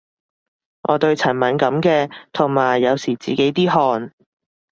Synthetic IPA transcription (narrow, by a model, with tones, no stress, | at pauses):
ŋʔɔ̰ː˨˧t̪ɵ˧ɥt͡sʰɐ˨˩nmɐ˨˥nkɐ˨˥mkɛː˧t̪ʰʊ˨˩ŋmaː˨˩jːɐ˨˧wsiː˨˩t͡siː˨ke˨˥jt̪iː˥ɦɔː˧n